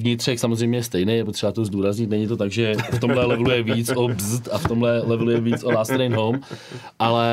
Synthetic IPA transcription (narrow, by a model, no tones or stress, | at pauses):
vɲɪt̪r̝̥ɛxsamozrɛjmɲɛjɛst̪ɛjnejɛpo̞t̪r̥ɛbat̪o̞zd̪uːɾazɲɪt̪nɛɲɪt̪o̞t̪aɡʒɛft̪o̞mɦlɛlɛvlujɛviːt͡sobzt̪aft̪o̞mɦlɛlɛvɛlujɛviːt͡solast̪ɾejnɦowmʔalɛ